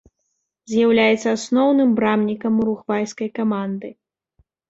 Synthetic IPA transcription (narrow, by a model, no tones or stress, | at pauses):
zʲjawlʲajɛt̪sɐasnɔwnɨmbɾamnʲikɐmuɾuxvajskɐjkamand̪ɨ